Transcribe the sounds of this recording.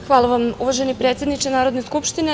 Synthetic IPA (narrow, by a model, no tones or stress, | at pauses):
xʋaːlˠaʋamuʋaʒenipɾe̞ːt̪sje̞d̪nit͡ʃenaːɾo̞d̪neskupʃt̪ine